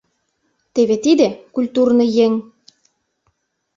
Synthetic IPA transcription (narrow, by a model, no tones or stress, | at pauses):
t̪eβet̪id̪ĕkulʲt̪urnɤjeŋ